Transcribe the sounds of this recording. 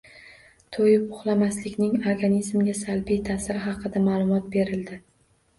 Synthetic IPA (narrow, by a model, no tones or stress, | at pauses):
t̪ʰojɪpʊχlˠamaslɪkʲnɪŋoɾɡanizmɡʲasalˠbijt̪ʰasɪɾɪɦɑqʰɨd̪amalˠʊmɒt̪̚be̞ɾɪld̪ɪ